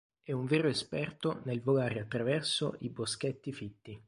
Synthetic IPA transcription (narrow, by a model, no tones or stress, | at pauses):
ɛuɱveːɾoespɛrt̪onelvoɡaːɾeat̪ːɾavɛrso̰ʔibosk̟et̪ːifit̪ːi